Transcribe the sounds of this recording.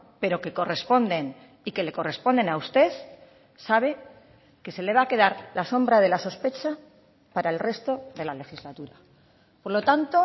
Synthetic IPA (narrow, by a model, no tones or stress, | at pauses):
pe̞ɾo̞ke̞ko̞re̞spo̞nd̪e̞n | ike̞le̞ko̞re̞spo̞nd̪e̞naust̪e̞θ | saβ̞e̞ | ke̞se̞le̞βake̞ðaɾlaso̞mbɾað̞e̞laso̞spe̞t͡ʃa | paɾae̞lre̞st̪o̞ðe̞lale̞xizlat̪uɾa | po̞ɾlo̞t̪ant̪o̞